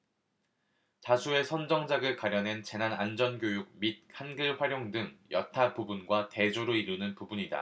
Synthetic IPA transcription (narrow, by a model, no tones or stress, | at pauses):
t͡ɕasʰue̞sʰʌnd͡ʑʌŋd͡ʑaɡɯɭkwaɾjʌnɦe̞nt͡ɕe̞nanand͡ʑʌnɡjojuɡ̚mit̚kʰanɡɯɭɸwaɾjoŋdɯŋjʌtʰapubunɡwate̞d͡ʑoɾoiɾunɯnpubuɲida̰